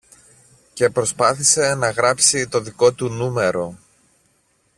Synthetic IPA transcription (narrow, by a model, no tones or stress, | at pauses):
ce̞pɾo̞spɐθise̞nɐɣɾɐpsit̪o̞ðiko̞t̪unume̞ɾo̞